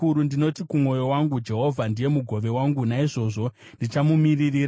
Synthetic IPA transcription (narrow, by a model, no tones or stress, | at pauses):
uɾundino̞tikumwo̞jo̞waŋɡud͡ʒe̞ɦo̞vʱandije̞muɡʱo̞ʋe̞waŋɡunaiʐo̞ːʐo̞ | ndit͡ʃamumiririːr